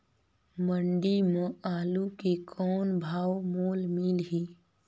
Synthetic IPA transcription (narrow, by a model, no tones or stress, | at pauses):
məɳɖimõaːlukekʰɔːnbʱaːwmoːlmilɦi